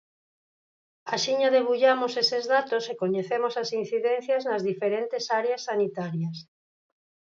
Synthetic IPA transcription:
asiɲaðeβuʎamosesezðat̪osekoɲeθemosasin̟θiðen̟θjaznazðifeɾent̪esaɾeasːanit̪aɾjas

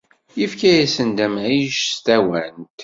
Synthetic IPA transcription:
jifkæjæsənd̪æmʕiʃst̪æwænt̪

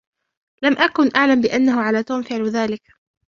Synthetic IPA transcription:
lamʔakʊnʔaʕlambɪʔanːaɦʊʕalaːt̪uːmfɪʕlðaːlɪk

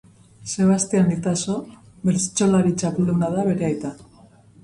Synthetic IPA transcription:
se̞β̞ast̪eanit̪aso̞ | βeɾt͡st͡ʃolaɾit͡ʃapulunaðaβe̞ɾe̞ajt̪a

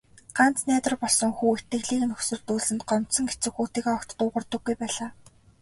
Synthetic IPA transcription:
ɢ̥an̥t͡snæːt̪ə̆rpɔɮsɞ̆ŋxuːet̪ɘ̆xɮiːknɵxsɵ̆rt̪uːɮɘ̆nt̪̚ɢɔm̥t̪sɞ̆ŋet͡sɘ̆kxuːt̪iːɣɔkt̪t̪ʊːʁə̆rt̪ɞ̆ɡːujpæːɮaː

